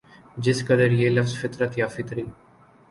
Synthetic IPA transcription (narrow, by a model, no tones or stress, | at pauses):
d͡ʒɪskəd̪əɾjeːləfzfɪt̪ɾət̪jaːfɪk̪ɾiː